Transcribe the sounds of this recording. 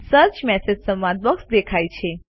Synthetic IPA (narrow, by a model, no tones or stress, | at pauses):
səɾt͡ʃmɛsed͡ʒsəmʋãd̪̚bəksd̪ekʰajt͡ʃʰe